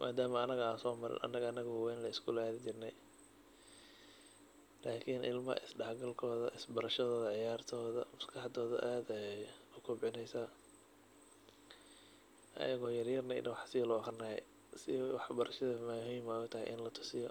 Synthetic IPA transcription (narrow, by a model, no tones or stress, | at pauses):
mʔa̰ːd̪aːmɐːnɐɣɐaːnsɔːmɐɾɪ̰nʔɐ̰nɐɣɐɐnɐɣɔwɛːnlɐɪskʰʊlaːðɪt͡ʃɪrnɛj | laːkʰinʔɪ̰lmɐ̰ʔɪ̰sɖɑhɡɐlkʰɔːðɐ̰ʔɪsbɐɾɐʃɐðɔːðɐʕɪjaːrt̪ʰɔːðɐ̰mʊskʰɑħɑd̪ɔːðɐ̰ʔaːd̪ɛjʊkʰʊbʕɪnɛjsaː | ʔɐ̰jɐɣɔːjɐrjɐrnɛnɐwɑħsɪlʊɑχrɪnɐːɛ̰j | sɪwɑħbɐɾʔɐʃɐðɐmɐhijɪmaːðɔt̪ʰɐɦɛ̰jʔɪ̰nlɐt̪ʰʊ̥sɪjɔ